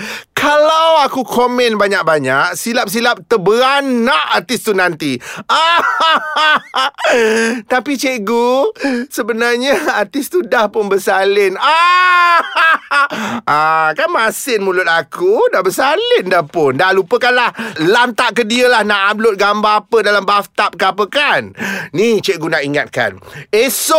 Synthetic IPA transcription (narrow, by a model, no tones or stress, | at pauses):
kʰalawakukʰomɛnbaɲak̚baɲaʔ̚silap̚s̬ilap̚t̪əbəɾanːaʔart̪ɪst̪unant̪iʔa | t̪apit͡ʃeɡusəbənarɲaːrt̪ɪst̪udahpʊnbəsalɪna | akanmasɪnmulʊt̪̚akudaʔbəsalɪndahpʊndahlupəkanlahlant̪aʔkədiəlahnaʔamlʊt̪̚ɡambaːpədalambaft̪ap̚kəapəkanːit͡ʃeʔɡunaʔiŋat̪̚ka̰neso